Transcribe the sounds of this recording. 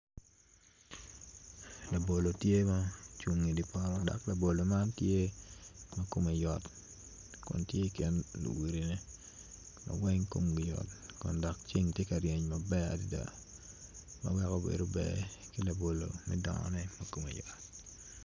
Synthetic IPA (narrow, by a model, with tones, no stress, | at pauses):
la˨bo˨lo˨tje˦ma˦t͡ʃwu˨ŋːi˨di˨pɔ˦ɾɔ˦dɔ̰˨kla˨bo˨lo˨ma˦ntje˦ | ma˦ko˨me˨jɔ˨t | kʊ̰˨ntje˦i˦kɛ˦nlṵ˨wi˨ɾi˨nɛ˦ | ma̰˨wɛ˦ŋko˦mɡi˨jɔ̰˨tkʊ˨ndɔ˨k̚t͡ʃi˦ŋtje˦ka˨ɾje˨ɲmabɛ˦a̰˨di˦da̰˨ | mɐ̰˦wɛ˦ko˦bḛ˨do˦bɛ̰˨ki˦la˨bo˨lo̰˨mɛ̰˦dɔ̰˨ŋɔ̰nɛ˦mɐ˦ko˨mḛ˨jɔ˨t̚